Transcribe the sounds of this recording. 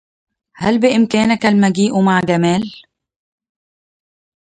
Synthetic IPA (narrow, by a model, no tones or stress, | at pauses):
halbɪʔɪmkæːnakalmaɡiːʔumaʕɡamæːl